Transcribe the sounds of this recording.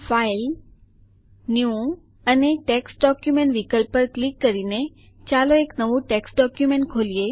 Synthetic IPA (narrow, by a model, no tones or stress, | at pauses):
fail | nju | əneʈeksʈɖɔkjumẽɳʈʋikəlpːəɾklikːəɾine | t͡ʃaloeknəʋũʈeksɖɔkjumẽɳʈ̚kʰolie